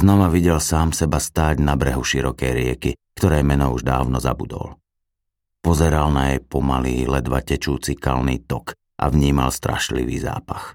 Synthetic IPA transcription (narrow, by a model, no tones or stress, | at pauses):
z̥nɔʋaʋiɟɛlsaːmsɛbast̪aːɟnabɾɛɦuʃiɾɔkɛjɾɪɛkikt̪ɔɾɛːmɛnɔuʒd̪a̰ːʊnɔza̰bud̪ɔ̰l | pɔzɛɾalnajɛjpɔmaliːlɛd̪ʋa̰cɛt͡ʃuːt͡sika̰lniːt̪ɔk | ʔa̰ʋɲiːmalst̪ɾa̰ʃlḭʋḭːza̰ːpax